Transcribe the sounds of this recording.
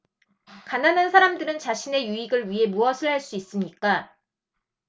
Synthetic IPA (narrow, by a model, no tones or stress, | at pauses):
kananansʰaɾamdɯɾɯnt͡ɕaɕʰine̞juiɡɯɭɥiɦe̞muʌsʰɯɭɦaɭs͈uis͈ɯmɲik͈a